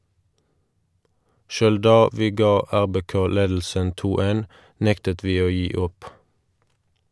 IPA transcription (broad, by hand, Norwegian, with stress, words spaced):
ˈʃøːl ˈdɑː ˈʋiː ˈɡɑː ˈæʁbeːˌkoː ˈleːdl̩sən ˈtuː ˈtɪl ˈeːn ˈnɛktət ˈʋiː ˈoː ˈjiː ˈʊp